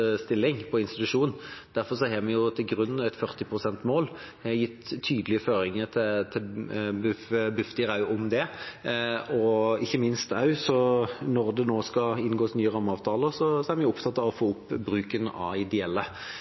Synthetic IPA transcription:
st̪ɪlːɪŋpʰɔɪnst̪ɪ̥t̪ʉʂuːnn̩d̪̥æɾfɔʁs̬ɔhɛmɛjʊt̪ʰɪlɡɾʉnːnɛt̪fœʁt̪ɪpʰʁʊsɛnt̪moːl | hɛjɪt̪ʰːyːd̪lɪəføːɾɪŋət̪ʰɪt̪ʰɪbʉfbʉft̪ɪɾɑʉɔmd̪ɛ | ɔɪçːəmɪnst̪ɑʉsɔnɔʁd̪ɛnoːskɑɪnɡoːsnyːəʁɑmːəɑːʋt̪ʰɑːləʁsɔsɔæɾmɛnjʊʊpt̪ʰɑt̪ːɑʋɔfoːʊpːbɾʉːkənɑ̰ɪd̪ɛɛlːə

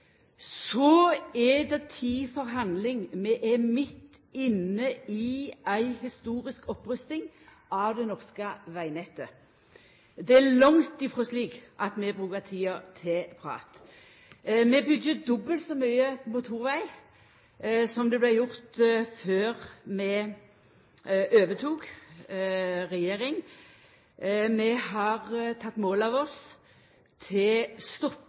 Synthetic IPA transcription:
sɔɛd̪ɛt̪ʰiːfɔʁɦɑnd̪lɪŋmɛʔɛmɪt̪ː | ɪnːəiæɪhɪst̪uːʁɪskɔpʁœst̪ɪŋ | ɑʋd̪ɛnɔʁskəʋæɪnɛt̪ːə | d̪ɛælɔŋt̪ɪfʁɔsliːkʔɑt̪mɛbʁʉːkət̪ʰiːɑt̪ʰɪpʰʁɑ̰ːt̪ | mɛbʏdjəd̪ɔbːəlt̪sɔmyʏəmʊt̪ʰuːʁʋæɪ | sɔmd̪ɛblæɪjʊʁt̪føːʁmɛ | ʔøːʋət̪ʰuːk | ʁɛjeːɾɪŋ | mɛhɑʁt̪ʰɑt̪ːmoːlɑʋɔs | t̪ʰɪlst̪ɔpː

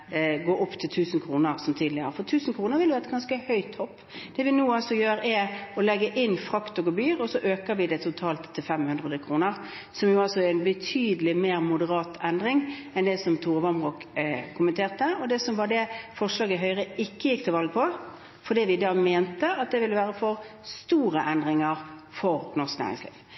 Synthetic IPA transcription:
ɡoːʔɔpːt̪ʰɪlt̪ʰʉːsnkʰɾuːnəʁsɔmt̪ʰiːd̪lɪəfɔʁt̪ʰʉːsən̩kʰʁuːnəɾʋɪljʊhæɛt̪ɡɑnskəhœʏt̪hɔpː | d̪̥ɛʋɪnuːɑlsɔjøːɾɛɔlɛɡːəʔɪnːfʁɑkt̪oɡəbyːʁɔsɔʔøːkəʋɪd̪ɛt̪ʰʊt̪ʰɑːlt̪t̪ʰːɪlfɛmhʉnd̪ʁəd̪əkʰʁuːnəʁ | sɔmjʊɑlsɔɛɾɛnbət̪ʰyːd̪əlɪmeːʁmʊd̪əʁɑːt̪ʰɛnd̪ʁɪŋɛnd̪ɛsɔmt̪ʰuːʁʋɑmbʁuːkkʰːʊmənt̪ʰeːʁt̪əɔd̪ɛsɔmʋɑd̪ɛfɔʁʂlɑːɡəɦœʏʁəɪkːəjɪkːt̪ʰɪlʋɑlɡpʰɔ | fɔd̪iːʋɪd̪ɑːmeːnt̪əɑt̪̚d̪ɛʋɪlːəʋæːʁəfɔɾst̪uːɾəʔɛnd̪ɾɪŋəʁfɔɾnɔʁsknæ̰ːʁɪ̰ŋslḭːʋ

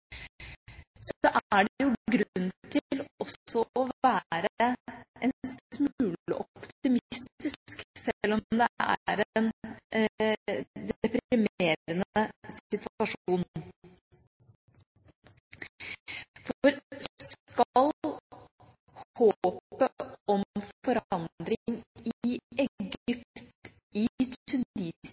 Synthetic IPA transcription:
sɔʔæɖɛjʊɡɾnːt̪ʰɪlɔsːɔɔʋæːɾəɛnsmʉːləʔɔpt̪ɪmɪst̪ɪsksɛlːɔd̪ɛʔæ̰ɾɛɛn | d̪ɛpɾɾɪmeːɾənəsɪt̪ʋɑʂuːn | fɔɾskɑl | hoːpəɔmfɔɾɑnd̪ɾɪŋɪɛɡʏpt̪ | ɪt̪ʰʉniːs

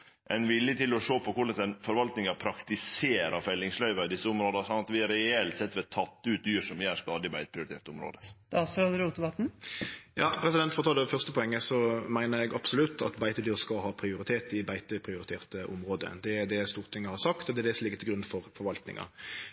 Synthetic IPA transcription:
ʔɛɪnʋɪljət̪ɪlɔʂoːpʰɔkʊɭəsɛnfɔɾʋɑlt̪nɪŋɑpʰɾɑkt̪ɪseːɾɑɾfɛlːɪŋslœʏʋɑɪd̪ɪsːəʊmɾoːd̪ɑsɔnɑt̪ʋɪɾɛɛlt̪sɛt̪ːʋɛt̪ʰɑt̪ːʉːt̪̚d̪yːʂɔmʋɪæʂt̪ɑːd̪ɪbæɪt̪əpʰɾɪʊɾɪt̪eːɾt̪əʊmɾo̰ːd̪əɑsɾod̪əɾuːt̪d̪bɑt̪n̩jɑːpʰɾɛs̬ɪd̪ɛnt̪fɔʁt̪ʰɑləfœʁst̪əpɔɛŋːəsɔmæɪnəɾɛɡɑbsʊlʉt̪ʰːɑ̰t̪bæɪt̪əd̪yːʁskɑɦɑːpʰɾɪʊɾɪt̪ʰeːt̪ɪbæɪt̪əpʰɾɪʊɾɪt̪ʰeːʁt̪əʔʊmʁoːd̪ə̰d̪ɛæd̪ɛst̪uːʁt̪ʰɪŋːəhɑʁsɑkt̪ɔd̪ɛd̪ɛsɔmlɪɡːət̪ɪlɡɾʉnfɔɾfɔɾʋɑlt̪nɪ̰ŋɑ̰

